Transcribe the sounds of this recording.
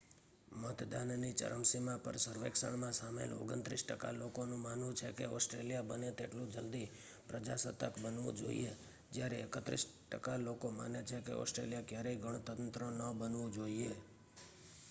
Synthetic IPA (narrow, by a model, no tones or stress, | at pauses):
mət̪d̪annit͡ʃə̰ɾəmsimãpə̰ɾsəɾʋeksə̰ɳmãsamḛlo̰ɡənt̪ɾisʈəka̰lokonũmanʋũt͡ʃʰekḛɔ̰sʈɾelijabənet̪eʈlũd͡ʒəld̪i | pɾəd͡ʒasət̪əkbənʋṵ̃d͡ʒo̰ḭe | d͡ʒjaɾeekət̪ɾḭsʈəkalokoma̰net͡ʃʰekḛɔ̰sʈɾḛljakjaɾeiɡʱəɳ̃ot̪ənt̪ɾənəbənʋũd͡ʒoie